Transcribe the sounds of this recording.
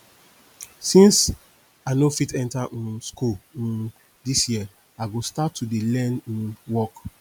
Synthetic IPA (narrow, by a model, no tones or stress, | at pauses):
sĩns | anofitɛ̃ntaʔĩskulĩ | disjiə | aɪɡostatʰːudelɛ̃nĩnwɔk